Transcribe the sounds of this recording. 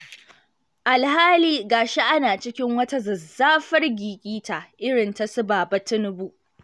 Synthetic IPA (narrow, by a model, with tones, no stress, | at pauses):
ʔa˨lhaː˦liː˦ɡaː˨ʃe˦ʔa˦naː˨t͡ʃɪ˦kʲɪ˦ŋwɐ˦ta˦zɐ˨zːaː˦ɸɐ˦rɡʲiː˨kʲʼiː˦tʰa˨ʔʔɪ˦ɽɪ˨nta˨sʊ˦baː˨bɐ˦tɪ˦nʊ˦bu˦ʔ